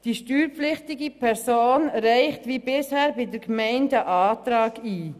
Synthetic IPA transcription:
d̥iːʃtyːɾpp͡flɪχtɪɡipʰɛɾsoːnɾɛɪχtʋiːbɪshɛːɾbɪdəɾkmɛɪndəʔɑːtɾɑːɡ̥iː

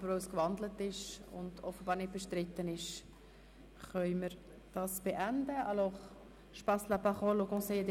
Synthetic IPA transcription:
bəɾowskvɑnd̪lətɪʃʊ̰ndɔfəbɑːɾnɪt̚b̥eʃtɾɪt̪ːənɪʃ | χœʏməɾ | d̥ɑːsb̥eʔændəɑlɔχ | ʃpɑsləpɑχɔlokõseːəd̪

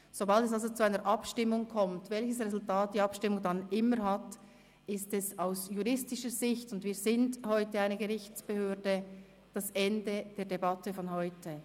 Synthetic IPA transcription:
z̥obɑltɛs̬alzot͡suaɪnəɾʔɑpʃtɪmʊŋkʰɔmtvɛlçəsʁezʊltaːt̚d̥iːɑpʃtɪmʊŋdɑnɪməɾɦɑt | ɪstɛsaʊsjuʁɪstɪʃəɾzɪçtʊndviːɾzɪndhɔʏtəaɪnəɡəʁɪçt͡sb̥əhøːdə | d̥asɛndəd̥eːɐdebɑtəfɔnɦɔʏtʰə

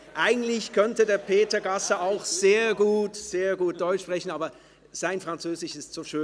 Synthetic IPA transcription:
ʔaɪɡŋ̩tlɪçkʰœntədeːɐpʰeːtɐɐɡasɐaʊxz̥eːɐɡuːtz̥eːɐɡuːt̚d̥ɔʏt͡ʃʃpʁ̥ɛçn̩aːbɐ | z̥aɪnfʁ̥ant͡søːzɪʃɪstz̥oːʃøː

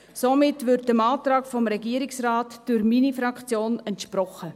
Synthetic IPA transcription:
somɪtʋɪɾtəmɑːtɾɑːkfɔmɾɛɡiəɾɪksrɑːtd̥ʊɾminifɾɑkt͡sjoːnɛntʃpɾɔχə

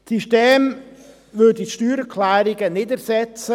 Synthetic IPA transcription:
siʃteːm | ʋødiʃtyːɾəkʰlæːɾɪɡənɪdəɾsɛt͡sə

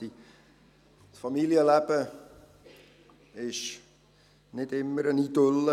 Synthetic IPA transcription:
i | fɑmiliəlæpə | ɪs | nɛtɛmːəɾənitələ

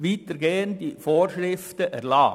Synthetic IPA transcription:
ʋiːt̪əɾɡ̥eːənd̪ifoːɾʃɾɪftəʔæɾlɑː

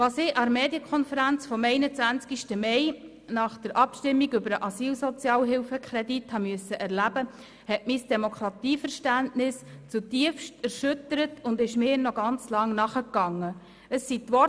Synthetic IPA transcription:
ʋɑːsɪɑmeːdjəkʰɔnfəɾænt͡sfɔmɛɪnət͡sʋænt͡skiʃtəmɛɪ | nɑχd̥əɾʔɑpʃtɪmːiɡʏbəɾəʔɑsiːlsɔt͡sjɑːlɦɪlfəkχɾɛdithɑmyəsəʔɛɾlæbə | hɛtmisd̥ɛmokʰɾɑtiːfəɾʃtæntnɪst͡sutiəfʃtæɾʃʏtəɾətʰʊndɪʃmɪːnɔɡɑnt͡slɑŋnɑχəkːɑŋːə | əsːit̪ʋɔ

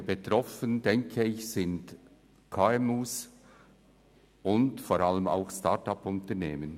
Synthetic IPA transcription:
betɾɔfəndɛŋkʰəɪçsɪnd | kʰaːɛmuːs | ʊndfoːɾaləma̰ʊxsta̰ɹtɑpʊntəneːmən

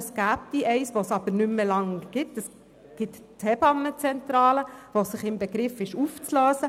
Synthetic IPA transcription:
sɡ̥æːp̚d̥̪iʔɛɪsʋosɑbəɾnʏmːəlɑŋɡ̥ɪtəs | ɡ̥ɪttʰɛbɑnːət͡sɛntɾɑːləʋosɪχɪmbeɡɾɪfɪʃuft͡slœːsə

